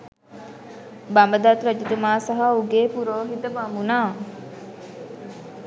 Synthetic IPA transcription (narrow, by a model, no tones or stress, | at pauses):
bɐmbəd̪at̪ɾɐd͡ʒid̪emaːsɐɦauɡeːpuɾoːɦit̪ɐbamunaː